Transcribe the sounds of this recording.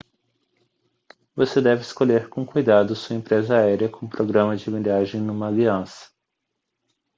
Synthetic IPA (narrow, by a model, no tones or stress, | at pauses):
vosed̪ɛvɪɪskoʎeɾkõkujd̪ad̪ʊsuɐẽmpɾezɐaɛɾiɐkõũpɾoɡɾɐ̃mɐd͡ʒɪmiʎʲaʒẽj̃nũmɐɡɾiɐ̃sɐ̥